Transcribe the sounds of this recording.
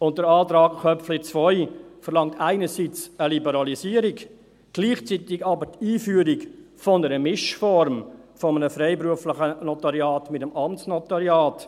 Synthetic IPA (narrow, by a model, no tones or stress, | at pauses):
ʊnt̚dəɾɑːtɾɑːkχœpflɪt͡sʋɔʏfəɾlɑŋtaɪnəsit͡səlibəɾɑlisiːəɾɪk | ɡ̥liːχt͡sitɪɡɑbətiːfyːəɾɪk | fɔnəɾəmɪʃfɔɾmfɔmənəfɾɛɪpɾuəflɪχənɔtɑɾjaːtmɪtəmɑmtsnɔtɑɾjɑːt